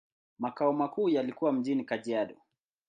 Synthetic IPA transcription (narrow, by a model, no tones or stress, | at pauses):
makaɔmakuːjalikuwam̩ʄinikaʄiaɗɔ